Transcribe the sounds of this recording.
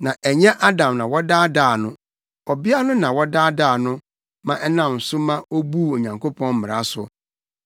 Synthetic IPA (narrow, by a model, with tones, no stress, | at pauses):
nã˨ʔæ˨ɲɛ̃˦ʔa˦dã˨mnã˨wɔ˦daː˦daː˦˨nʊ̃˦ | ɔ˨bɪ˦a˦nʊ̃˦nã˨wɔ˦daː˦daː˦˨nʊ̃˦ | mã˨ʔɛ˦nã˨m˨sʊ˦mã˦o˦bu˦˨o˨ɲã˨ŋkʰo˦pʰɔ̃˦nm̩ː˦mɪ̃˨ɾa˦sʊ̰˨